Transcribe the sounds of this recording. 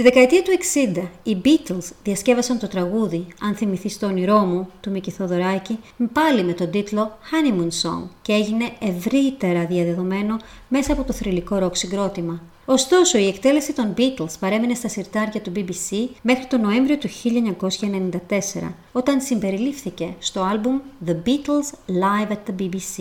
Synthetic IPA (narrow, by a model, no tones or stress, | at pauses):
t̪iðe̞kɐet̪iɐt̪ue̞ksind̪ɐibit̪elsðiɐsce̞vɐsɐnt̪o̞t̪ɾɐɣuðiɐnθimiθist̪o̞niɾo̞mut̪umiciθo̞ðo̞ɾɐcipɐlime̞t̪o̞d̪it̪lo̞xɐnimunso̰ŋcee̞ʝine̞evɾit̪e̞ɾɐðiɐðe̞ðo̞me̞no̞me̞sɐːpo̞t̪o̞θɾiliko̞ɾo̞ksiŋɡɾo̞t̪imɐ | o̞st̪o̞so̞ie̞kt̪e̞le̞sit̪o̞nbit̪elspɐɾe̞mine̞st̪ɐsiɾt̪ɐɾcɐt̪ubibisime̞xɾit̪o̞no̞e̞ɱvɾio̞t̪uçiʎɐeɲɐko̞sçɐenenind̪ɐt̪e̞se̞̰ɾɐ̰ | o̞t̪ɐnsimbe̞ɾilifθice̞st̪o̞ɐlbumðebit̪elslɐjvɐt̪ɐbibisi